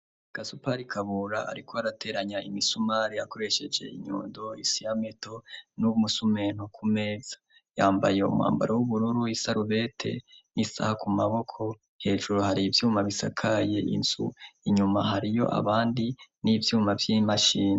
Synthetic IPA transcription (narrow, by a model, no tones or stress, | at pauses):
aɡ̥asupaɾikʰaβuɾaa̰ɾikʰo̞aɾatʰe̞ɾaɲaimisumaɾijako̞ɾe̞ʃe̞d͡ʒe̞̰ḭɲṵːndoisijame̞to̞nuβumusume̞ːn̥hukʰumeːz̥ḁ | jaːmbaje̞ṵmwa̰ːmba̰ɾawuβuɾuɾuisaɾuβe̞tʰe̞̰nisa̰hakumaβo̞kʰo̞ | he̞ːʒuɾuhaɾiːvjuːmaβisa̰kʰaje̞ʔḭnz̥ṵiɲumaɦaɾijo̞̰ʔa̰βaːndinivjuːmavjimaʃiːna